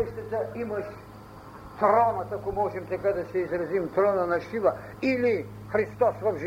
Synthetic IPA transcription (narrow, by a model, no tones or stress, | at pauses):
ɛʃt̪ɛd̪aimɐʃ | t̪ɾɔnɐt̪akɔmɔʒɛmt̪ɛkad̪ɐsɛizɾɐzimt̪ɾɔnanɐʃiva | ili | xɾist̪ɔsvɐvʒ